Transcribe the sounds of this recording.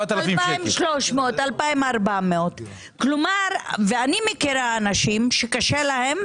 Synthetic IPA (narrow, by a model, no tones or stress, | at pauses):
at̪alalfimaimʃloʃmeot̪alpaimaʁbameo̞t̪ | klomaʁveanimekiɾaːnaʃimʃekaʃelahe̞m